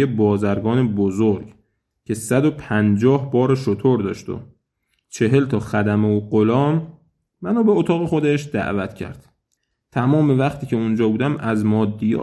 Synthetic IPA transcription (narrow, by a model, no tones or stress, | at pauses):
ebɒːzæɾɡɒːnebozoɾɡ | cʰe̞sæd̪o̞pʰænd͡ʒɒːhbɒːɾeʃot̪ʰoɾd̪ɒːʃt̪o̰ | t͡ʃʰe̞ɦe̞lt̪ʰɒːxæd̪æmeuɢolɒːmː | ænoːbeot̪ʰɒːɣe̞xod̪eʃd̪æ̰ʔvæt̪ʰcʰæ̰ɾd̪̥ | t̪ʰæmɒːme̞væχt̪ʰiːcʰe̞und͡ʒɒːbuːd̪æmæzmɒːd̪ːijɒ̰ː